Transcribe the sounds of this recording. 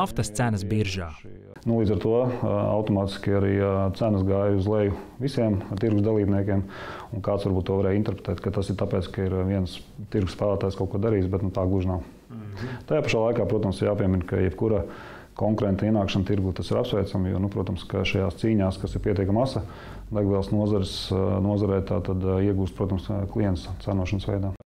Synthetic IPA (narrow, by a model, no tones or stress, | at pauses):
aft̪ɐst̪sænɐsbiɾʒaː | nulˠiːd̪zaɾt̪uɔa̰wt̪ɔmaːt̪i̥skʲaɾiːt̪sænɐsɡaːjuzlˠɛjʊʋisiɛmt̪iɾɡusd̪alˠiːbniɛkʲiɛm | unkaːt̪sʋaɾbuːt̪t̪ːuɔaɾɛːjint̪ɛɾpɾe̥t̪ɛːt̪kat̪asɪɾt̪apɛːt̪skaiɾʋiɛnst̪iɾɡuspæːlˠaːt̪aːjskaʊkuɔd̪aɾiːsbɛt̪nut̪aːɡuʒnaʊ | t̪ajaːpaʃaːlˠajkaːpɾuɔt̪ɐmsɾjaːpiɛminka̰jɛbkuɾa | kɔŋkuɾɛnt̪aiɛnaːkʃɐnt̪iɾɡuːt̪asiɾapsʋɛjt̪samjṵɔnupɾuɔt̪ɐmskaʃajaːst̪siːɲaːskasiɾpʲiɛt̪ʲiɛkamasɐ | d̪aɡʋiɛlˠsnuɔzaɾsnuɔzaɾɛjt̪a̰ːt̪ad̪iɛɡuːst̪pɾuɔt̪ɐmsklˠijɛnst̪sanuɔʃɐnsʋɛ̰jd̪aː